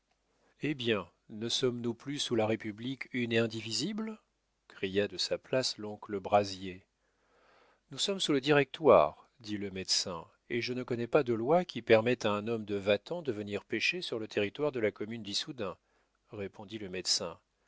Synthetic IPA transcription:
ebjɛ̃ | nəsɔmnuplysulaʁepyblikyneɛ̃d̪ivizibl | kχijad̪əsaplaslɔ̃kləbʁazje | nusɔmsuləd̪iʁɛk̚t̪wa̰ʁ | d̪iləmɛd̪sɛ̃ | eʒənəkɔnɛpad̪əlwakʲʰipɛʁmɛt̪aɛ̃nɔmd̪əvat̪ɑ̃d̪əvəniʁpeʃesyʁlət̪ʰeʁit̪waʁd̪əlakɔmynd̪isud̪ɛ̃ | ʁepʰɔ̃d̪iləmɛd̪sɛ̃

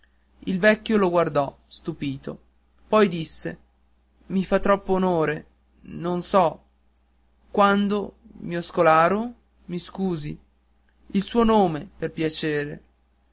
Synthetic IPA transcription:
ilvɛkːjoloɡward̪ɔst̪upiːt̪o̰ | pɔjd̪isːḛ | mifat̪ːɾɔpːoːnoːɾe | nonsɔ | kwand̪omiɔskolaːɾo | miskuːzḭ | ilsuːonoːmeperpjat͡ʃeːɾḛ

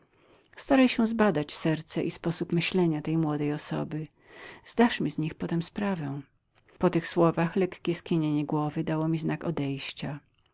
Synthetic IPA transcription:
st̪aɾajɕɛ̃zbad̪at͡ɕsɛɾt̪sɛʔispɔsupmɘɕlɛɲat̪ɛjmwɔd̪ɛjɔsɔ̰bɘ | z̥d̪aʂmʲizɲixpɔt̪ɛmspɾavɛ̃ | pɔt̪ɘxswɔvaxlɛkkʲɛskʲiɲeɲɛɡwɔvɘd̪awɔmʲiznakɔd̪ɛjɕt͡ɕa

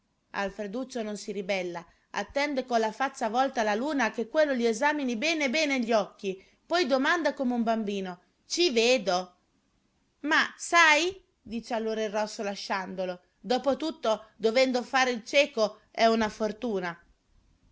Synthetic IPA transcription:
a̰lfɾed̪ut͡ʃːononsiɾibɛlːa | a̰t̪ːɛnd̪ekolafat̪sːavɔlt̪alaluːnakekːwelːoliezaːminibɛːnebɛːneʎːiɔkːi | pɔjd̪omand̪akomeumbambiːno | t͡ʃiveːd̪o | masaj | d̪iːt͡ʃealːoːɾairːɔsːolaʃːand̪olo | d̪ɔːpot̪ut̪ːod̪ovɛnd̪ofaːɾeilt͡ʃɛːko | ɛunafort̪uːna

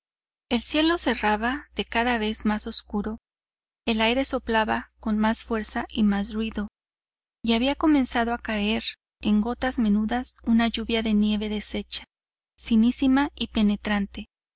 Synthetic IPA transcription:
e̞lsje̞lo̞se̞raβaðe̞kaðaβe̞zmaso̞skuɾo̞ | e̞lajɾe̞so̞plaβako̞nmasfwe̞ɾsaimas̬rwiðo̞ | iaβiako̞mẽ̞nsaðo̞akae̞ɾ | e̞ŋɡo̞t̪azme̞nuðasunaʝuβjaðe̞nje̞βe̞ðe̞se̞t͡ʃḁ | finisimaipe̞ne̞t̪ɾant̪e̞

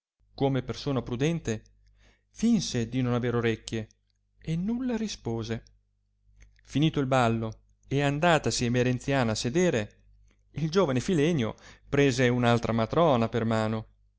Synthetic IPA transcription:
komepersoːnapɾud̪ɛnt̪e | finsed̪inonaveːɾoɾekːje | enːulːaɾispoːze | finiːt̪oilbalːo | eand̪aːt̪asiemeɾent̪sjaːnaːsːed̪eːɾe | ild͡ʒoːvanefilɛnːjo̰pɾeːzeunalt̪ɾʔamat̪ɾɔːnapermaːno

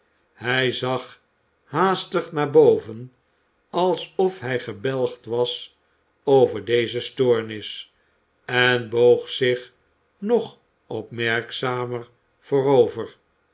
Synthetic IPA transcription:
hɛjzɑχ | haːstəχnaːɹbowvən | ɑlˠsɔfɦɛjχəbɛlˠχtʋɑs | ovəɹdejzəstʊːɹnɪs | ɛnboʊχsɪχ | nɔχ | ʔɔpmɛɹksaːmər | v̥oːɾowvər

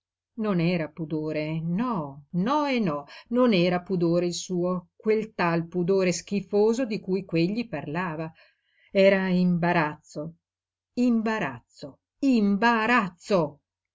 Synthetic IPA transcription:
nonɛːɾapud̪oːɾenɔnɔenːɔnonɛːɾapud̪oːɾeilsuːokwelt̪alpud̪oːɾesk̟ifoːzod̪ikujkweʎːiparlaːva | ɛːɾaimbaɾat̪sːo | imbaɾa̰t̪sːo | imbaɾat̪sːo

